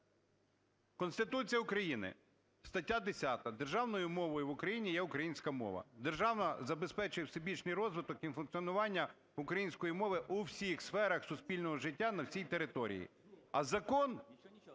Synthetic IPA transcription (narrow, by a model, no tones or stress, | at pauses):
kɔnst̪ɪt̪ut͡sʲijɐʊkɾɐjinɪ̰ | st̪ɐtʲːad̪esʲat̪ɐd̪erʒɑwnɔjʊmɔʋɔjʊʋʊkɾɐjinʲijɛʊkɾɐjinʲsʲkɐmɔ̰ʋɐ̰d̪erʒɑwnɐzɐbespɛt͡ʃɪjewsebʲit͡ʃnɪjɾɔzʋɪt̪ɔkinfʊnk̪̚t͡s̪iɔnʊʋɑnʲːɐ | ʊkɾɐjinʲsʲkɔjimɔʋɪʔuwsʲixsfɛɾɐxsʊspʲilʲnɔɦɔʒɪt̬ʲːanɐwsʲijt̪eɾɪt̪ɔɾʲḭjḭɐzɐkɔn